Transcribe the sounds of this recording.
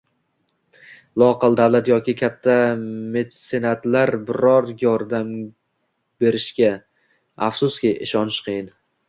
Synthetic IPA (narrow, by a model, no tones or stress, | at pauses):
lˠɒqɨlˠd̪avlat̪jɒkʲɪkʲʰat̪ʰːame̞d̪ɪse̞nat̪laɾbɪɾɒɾjɒɾd̪am | be̞ɾɪʃkʲa | afsʊskʲiʔɪʃɒnɪʃqʰɨjɪn